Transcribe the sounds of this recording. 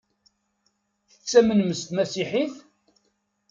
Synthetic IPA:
θət͡sːæmənməst̪mæsiħiθ

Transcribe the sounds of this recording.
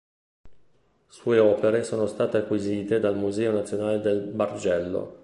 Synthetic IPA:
suːeɔːpeɾesoːnost̪aːt̪eakːwiziːt̪ed̪almuzɛːonat̪sːjonaːled̪elbard͡ʒɛlːo̰

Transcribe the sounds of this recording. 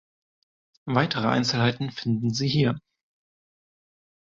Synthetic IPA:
vaɪtʰəʁəʔa̰ɪnt͡sl̩haɪtn̩fɪndn̩ziːhiːɐ

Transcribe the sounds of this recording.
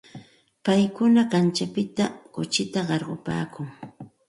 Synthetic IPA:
pajkʊnakant͡ʃapɪt̪akʊt͡ʃɪt̪aɢɑɾɢʊpa̰ːkʊŋ

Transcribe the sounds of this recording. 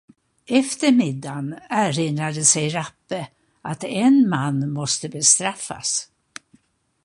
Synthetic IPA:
ɛft̪əɾmɪd̪ːanæɾɪnɾad̪əsɛjɾapːə | ʔat̪ɛnmanːmɔst̪əbɛst̪ɾafːa̰s

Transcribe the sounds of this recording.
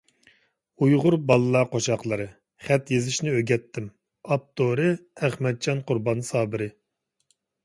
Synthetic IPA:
ujʁʊɾbɑlˠɨlˠɑːqʰoʃɑqlˠɨɾɨ | χɛt̪jezɪʃnɪøɡʲɛt̪ʰːɪm | ɑp̚t̪ʰoɾɨæχmɛd̪̚d͡ʒɑnqʰʊɾbɑnsɑːbɪɾɪ

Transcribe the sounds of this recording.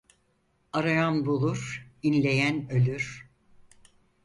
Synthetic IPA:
aɾajanbulˠuɾ̥inlʲe̞jænø̞lʲyɾ̥

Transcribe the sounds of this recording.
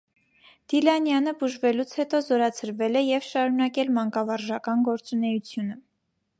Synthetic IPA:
d̪̥ilɑnjɑnəbuʒvɛlut͡sʰhɛt̪ɔzɔɾɑt͡sʰəɾvɛlɛjɛvʃɑɾunɑkɛlmɑŋkɑvɑɾʒɑkɑnɡɔɾt͡sunɛjut͡sʰjunə

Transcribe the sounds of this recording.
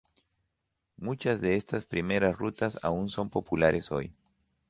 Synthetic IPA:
mut͡ʃazðeest̪aspɾimeɾasrut̪asa̰unsompopulaɾʔesoj

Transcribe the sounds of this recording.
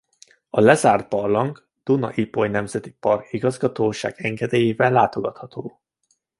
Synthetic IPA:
ɒlɛzaːr̚pɒrlɒŋɡ | d̪̥unɒ̰ʔipojnɛmzɛt̪i̥pɒrkiɡɒzɡɒt̪oːʃa̰ːɡ̥ɛŋɡɛd̪eːjeːvɛlːaːt̪o̞ɡɒt̪hɒt̪ʰoː

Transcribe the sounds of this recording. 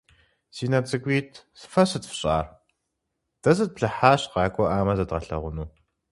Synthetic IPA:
siːnɐt͡sʼɨɡʷiːtʰsɨ̥fɐsɨtfɕʼaːr | d̥ɐzɐt̚pɮɐħaːɕqɑːkʷʼɔʔaːmɐzɐdʁɐɬɐ̰ʁʷʊnuː

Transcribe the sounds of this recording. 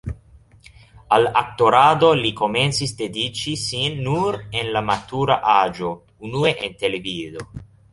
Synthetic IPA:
alak̚to̞ɾado̞liko̞me̞nt͡sisde̞dit͡ʃisinːuɾenlamatuɾaʔad͡ʒo̞ | unue̞ʔente̞le̞vizo̞

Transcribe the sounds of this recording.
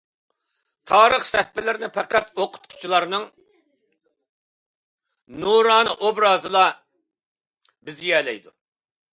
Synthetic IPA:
t̪ʰɑːɾəχsɛhpɪlɪɾɪnɪpʰɛqæt̪oqʰʊ̥t̪̚qʰʊ̥u̥t͡ʃʰilˠɑɾnɨŋ | nuɾɑːnɨ̰ʔobɾɑːzɨlˠɑ | bɪzijɛːlɛ̰jd̪ṵ

